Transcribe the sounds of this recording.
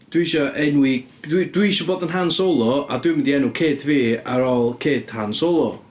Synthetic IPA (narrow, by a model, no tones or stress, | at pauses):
d̥wiʃɔʔɛnwi | ddwiʃɔboːdənɦansolˠɔadwɪmɪndiɛnukʰeːdviːaɾɔlˠkʰeːd̥hansolˠɔ